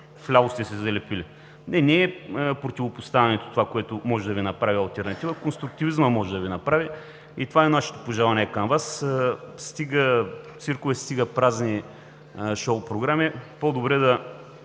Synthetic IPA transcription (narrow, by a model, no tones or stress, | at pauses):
flʲaʊst̪ɛsɛzɐlɛpili | nɛnɛːpɾot̪ʲivopost̪avʲɛnɛt̪o̥t̪ovakoɛt̪omɔʒɛd̪ɐvinɐpɾavʲiɐlˠt̪ɛɾnɐt̪ivəkonst̪ɾuk̚t̪ivizməmɔʒɛd̪ɐvinɐpɾavi | it̪ovaɛnaʃɛ̥t̪o̥poʒalˠɐnɛkɐmvasst̪iɡət̪siɾkʊvɛst̪iɡəpɾazni | ʃoʊpɾoɡɾamipod̪obɾɛd̪ɐ